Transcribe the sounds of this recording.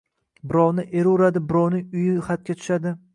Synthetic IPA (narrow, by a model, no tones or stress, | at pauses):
bɪɾɒwnɪʔeɾʊɾad̪ɪbɪɾɒwnɪŋʊjɪχat̪̚kʲat̪ʰʊ̥ʃad̪ɪ